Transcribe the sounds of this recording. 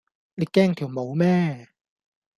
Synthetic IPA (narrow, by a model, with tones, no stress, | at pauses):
liː˨˧kːɛː˥˩ŋt̪ʰi˨˩wmo˨˥wmɛː˥˩